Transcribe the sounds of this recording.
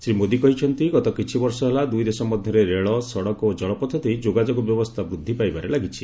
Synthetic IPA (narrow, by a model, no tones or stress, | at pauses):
sɾimod̪ikɔɦit͡ʃʰɔnt̪iɡɔt̪ɔkit͡ʃʰibɔɾsɔɦelad̪ujd̪esɔmɔd̪ʱjɔɾeɾeɭɔsɔɽɔkod͡ʒɔɭɔpɔt̪ʰɔt̪iid͡ʒoɡad͡ʒoɡɔbjɔbɔst̪ʰabɾud̪ʱːipajbaɾelaɡit͡ʃʰi